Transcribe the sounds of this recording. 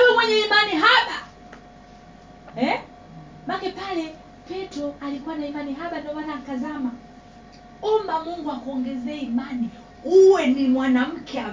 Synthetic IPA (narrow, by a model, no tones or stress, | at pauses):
wɛmwɛɲɛimaniɦaɓa | ɛ | makɛpalɛ | pɛtɔalikuwanaimaniɦaɓandɔmanaːkazama | umbamuŋɡuakuɔŋɡɛzɛɛimani | uwɛnimwanam̩kʰɛa